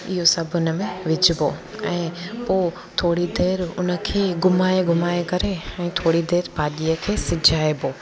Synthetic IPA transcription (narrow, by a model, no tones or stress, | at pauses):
ɪɦosɐbʱʊnə̆mẽʋɪd͡ʑʱɪboːɛ̃ːpoː | t̪ʰoːɽid̪eːɾʊ̰nə̆kʰeːɡʊmaːeɡʱʊmaːekɐɾeɛ̃ːt̪ʰoːɽid̪eːɾbʱaːɗijəkʰeːsɪd͡ʑʱaːeboː